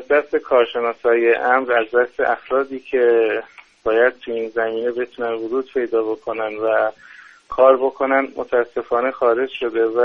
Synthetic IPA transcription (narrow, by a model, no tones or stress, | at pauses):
æzd̪æst̪e̞kʰɒːɾʃe̞nɒːsɒːjeʔæmɾæzd̪æst̪e̞̰ʔæfɾɒːd̪iːcʰe̞b̥ɒːjæd̪̥̚t̪ʰuiːnzæmiːne̞be̞t̪ʰunænvʊd͡ʒuːd̪̚pʰe̞jd̪ɒːbo̞kʰo̞nænd̪væ | kʰɒːɾbo̞kʰo̞nænd̪mʔo̰t̪ʰæːsːe̞fɒːnexɒːɾe̞d͡ʒʃo̞d̪e̞væ